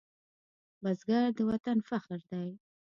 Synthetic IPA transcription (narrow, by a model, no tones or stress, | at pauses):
bazɡaɾd̪əwat̪anfaxəɾd̪aj